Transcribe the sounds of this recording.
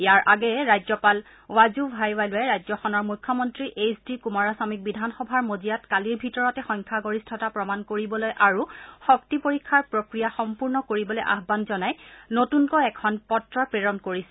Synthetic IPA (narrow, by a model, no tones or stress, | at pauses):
jaɹʔaɡɛɛɹajzɔpal | wazubʱajwajlojɛɹajzɔxɔnɔɹmujkʰːɔmɔntɹiʔesdikumaɹasamik̚bidʱanxɔbʱaɹmozijatkaliɹbʱitɔɹɔtɛxɔjɲkʰaɡoɹistʰɔtapɹɔmankoɹibɔlojʔaɹuxɔk̚tipoɹikʰːaɹpɹokɹijaxɔmpuɹnɔkoɹibɔlojʔa̰ɦbanzɔnajnotunkɔɛkʰɔnpɔtɹɔpɹeɹɔnkoɹisɛ